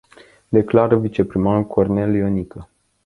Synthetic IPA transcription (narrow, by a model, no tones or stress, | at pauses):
d̪e̞klaɾəvit͡ʃe̞pɾimanulkʰornelionikʰə